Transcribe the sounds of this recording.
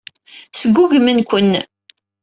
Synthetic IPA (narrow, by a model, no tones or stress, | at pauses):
səɡʷːuɡmənkʷənː